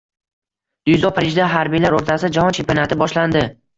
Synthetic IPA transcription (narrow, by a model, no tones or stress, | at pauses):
d̪̥ʊjzɒpʰaɾɪʒd̪aɦaɾbijlaɾoɾt̪ʰasɪd͡ʒahɒnt͡ʃʰempijonat̪ʰɪbɒʃland̪ɪ